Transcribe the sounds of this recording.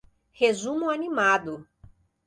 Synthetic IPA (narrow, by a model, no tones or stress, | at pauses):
hezũmʊanimad̪ʊ